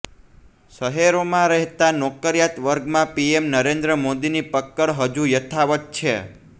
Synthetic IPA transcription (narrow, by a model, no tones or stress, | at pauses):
səɦeɾomãɾɛɦt̪anɔkəɾjat̪ʋəɾɡmãpiemnəɾẽnd̪ɾəmod̪inipəkːəɽɦəd͡ʒujət̪ʰaʋət̪̚t͡ʃʰe